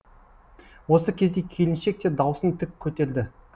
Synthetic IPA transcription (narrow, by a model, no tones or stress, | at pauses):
wo̞səkʲʰe̞zd̪e̞kʲʰe̞lɪnʃe̞k̚t̪e̞d̪ɑwsənt̪ʰɪkʲʰːɵt̪e̞ld̪ɪ